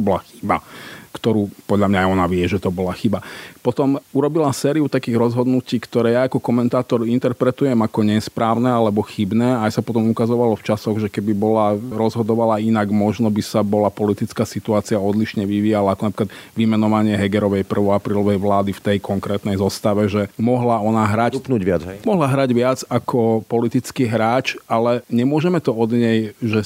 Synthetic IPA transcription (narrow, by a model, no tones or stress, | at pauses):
bɔlaxi̥ba̰kt̪ɔɾuːpɔd̪ʎamɲajɔnaʋɪɛʒɛt̪ɔbɔlaxibapɔt̪ɔmuɾɔbilasɛːɾiut̪akiːɣɾɔzɦɔd̪nuciːkt̪ɔɾɛːjaakɔkɔmɛnt̪aːt̪ɔɾint̪ɛɾpɾɛt̪ujɛmakɔɲɛspɾaːʊnɛalɛbɔxibnɛːajsapɔt̪ɔmukazɔʋalɔft͡ʃasɔɣʒɛkɛbibɔlaɾɔzɦɔd̪ɔʋalainaɡmɔʒnɔbisabɔlapɔlit̪it͡skaːsit̪uaːt͡siaɔd̪liʃɲɛʋiʋiːjalaːkɔnapɾikad̪ʋimɛnɔʋaɲɪɛɦɛɡɛɾɔʋɛjpr̩ʋɔapɾiːlɔʋɛjʋlaːd̪ift̪ɛjkɔŋkɾɛːt̪nɛjzɔst̪aʋɛʒɛmɔɦlaɔnaɦɾapnuamɔɦlaɦɾaɟʋɪad͡zakʰɔpɔlit̪it͡skiːɦɾaːt͡ʃalɛɲɛmʊɔʒɛmɛt̪ɔɔd̪ɲɛjʒɛ